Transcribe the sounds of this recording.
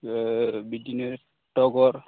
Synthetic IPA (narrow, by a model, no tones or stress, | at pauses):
bidine | tɔɡɔɾ